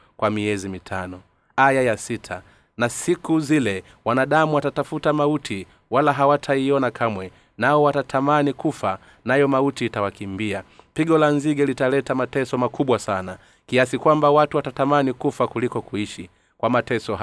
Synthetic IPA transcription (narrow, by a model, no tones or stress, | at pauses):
kwamiɛzimitʰanɔ | ajajasitʰa | nasikuzilɛ | wanaɗamuwatatafutamautʰi | walaɦawatʰaiɔnakʰamwɛ | naɔwatatʰamanikufa | najɔmautiːtawakimbiapiɡɔlanziɡɛlitalɛtamatɛsɔmakuɓwasana | kiasikwambawatuwatatamanikufakulikɔkuiʃi | kwamatɛsɔ